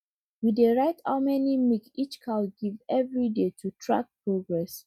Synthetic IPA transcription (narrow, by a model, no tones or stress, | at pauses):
wideɹaɪta̰ʊmɛnimikit͡ʃkʰaɡivɛvɹidetʰutʰɹa̰k̚pɹoɡɹɛs